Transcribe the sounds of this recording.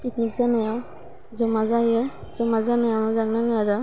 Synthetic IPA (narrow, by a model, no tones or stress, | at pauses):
piknikzanaja | zɔmazajɔ | zɔmazanajanazaknanaada